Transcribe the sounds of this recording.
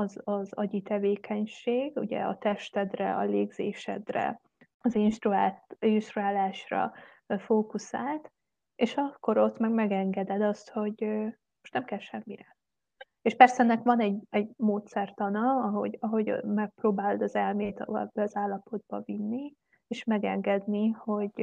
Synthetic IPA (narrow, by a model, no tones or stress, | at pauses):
ɒzɒzɒɟit̪ɛveːkʰɛɲʃeːɡṵɟɛ̰ɒ̰t̪ɛʃt̪ɛd̪rɛ̰ɒ̰leːɡzḛːʃɛ̰d̪rɛ̰ | ɒzinʃt̪ruaːt̪inʃt̪ɾuaːlaːʃrɒ̰ | foːkusaːlt̪ | eːʃɒkːo̞ɾo̞t̪mɛɡmɛɡɛŋɡɛd̪ɛd̪ɒst̪ho̞ɟ | moʃt̪nɛmkɛlʃɛmːiɾɛ | eʃpɛrsɛnɛkʋɒnɛɟɛɟmoːt̪sɛrt̪ɒnɒɒɦo̰ɟɒɦo̞ɟmɛk̚proːbaːld̪ɒzɛlmeːt̪bːɛɒzaːlːɒpo̞d̪̚bɒvinːi | eːʃmɛɡɛŋɡɛd̪niho̞ɟ